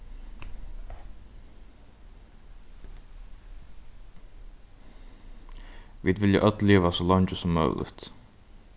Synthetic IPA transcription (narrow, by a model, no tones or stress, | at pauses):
ʋiːd̪vɪljə̰ʔœt̪leːʋasɔːlɑɲcəsɔmːœ̰ːlɪ̰t̪